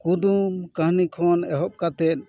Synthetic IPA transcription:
kud̪umkə̃ɦnikʰɔnɛɦɔp̚kat̪ɛt̪̚

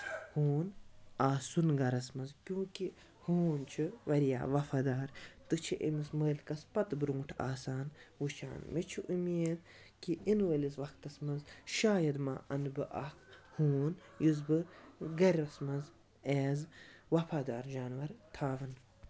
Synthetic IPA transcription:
huːnaːsunɡɐɾɐsmɐzkʲjũːki | huːnt͡ʃʰiʋɐɾija̰ːʋɐfaːd̪aːɾt̪ɨt͡ʃʰiʔḛmisməːlʲkɐspɐt̪bɾũːʈʰa̰ːsaːnwut͡ʃʰa̰ːnmit͡ʃʰiʔumiːd̪ | kiinʋəlizʋɐkt̪ɐsmɐzʃaːjɐd̪ma̰ːʔɐnbɨʔɐ̰khuːnjuzbɨɡɐɾʲɐsmɐz | eːzʋɐfʰaːd̪aːɾd͡ʒaːnʋɐɾt̪ʰaːʋɐn

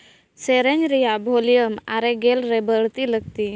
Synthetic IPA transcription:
seɾənɾijabʱolijəma̰ɾeɡelɾebəɭt̪iləɡ̚t̪i

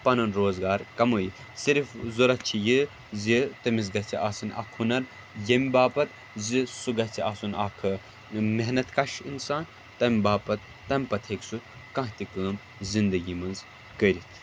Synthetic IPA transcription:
pɐnɐnɾoːzɡaːɾkɐmuji | siɾfzuɾɐtt͡ʃʰijɨ | zit̪ɐmiz̬ɡɐt͡sʰiaːsɨnʔɐ̰kʰhunɐɾ | jɐmʲbaːpɐt̪ | zisuɡɐt͡sʰiaːsunakʰɨ | meɦnɐt̪kɐʃinsaːn | t̪ɐmʲibaːpɐt̪̚ːɐmʲpɐt̪ʰeksu | kɐ̃ɦt̪ikəːm | zind̪ɐɡiːmɐnz | kəːɾʲit̪ʰ

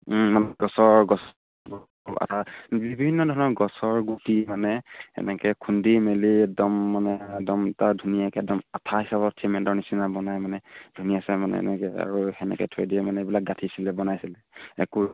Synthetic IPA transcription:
manɡɔsɔɹɡɔs | b | a̰tabibʱinːɔdʱɔɹɔnɔɡɔsɔɹɡutimanɛɛ̰nɛkɛkʰundimeliɛk̚dɔmːanɛdɔmtadʱunijakɛk̚dɔmatʰaɦisabɔsʰemɛntɔɹnisinabɔnajmanɛdʱunijasɛmanɛ̰ɛ̰nɛkɛa̰ɹuhɛnɛ̰kɛtʰojdiɛmanɛebilak̚ɡatʰisilɛbɔnajsilɛɛ̰ku

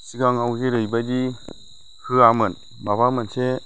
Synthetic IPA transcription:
siɡaŋawkeɾɯjbad͡ʒi | kʰɯamɯn | babamɯnse

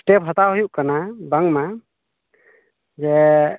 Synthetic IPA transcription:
sʈep̚ɦɔt̪aɦujuʔkanabaŋma | d͡ʒɛ

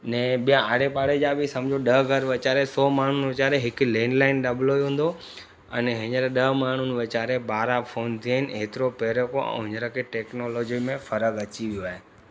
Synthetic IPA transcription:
nɛ̃ːɓijãaɽepaːɽed͡ʑaːbʱɪsɐ̃md͡ʑʱoɗɐɦɡʱɐɾʋɪt͡ɕaːɾesɔːmaːɳ̤ʊnʋɪt͡ɕaːɾeɦɪkleːnlaːɪnɗɐbloːiɦũːn̆d̪o | ɛ̰nɦɪɲəɾɗɐɦmaːɳ̤ʊnʋɪt͡ɕaːɾebaːɾafʰoːnt̪ʰiaːɦɪnɦeːt̪ɪɾopeːɾokoʔɛ̰̃ːɦɪ̃ɲəɾəkʰeʈeːknoːloːd͡ʑimẽfɐɾəkɐt͡ɕiʋijoaːɦe

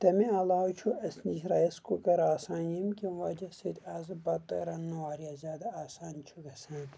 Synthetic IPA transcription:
t̪ɐmiɐlaːut͡ʃʰuɐsniʃɾaːjɐskukɐɾaːsaːnjimkʲiʋaːd͡ʒɐset̪ʲaːzɨbɐt̪ːɐ̰ɾɐnːuaːɾijaːzʲaːd̪ɐaːsaːnt͡ʃʰuɡɐsaːn

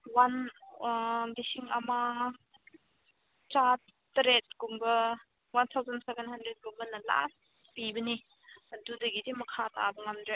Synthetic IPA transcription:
wan | disiŋama | t͡ʃa | tɾet̚ɡumbɐ | want̪ʰawzansebenhandɾet̚ɡumbɐnɐla̰ | pibɐni | ɐdudɐɡidimɐkʰata̰bɐŋamdɾe

